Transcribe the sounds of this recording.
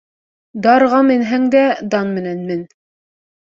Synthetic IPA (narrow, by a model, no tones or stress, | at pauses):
d̪ɑɾʁɑmɘ̆nɦæŋd̪æd̪ɑnmɘ̆nænmɘn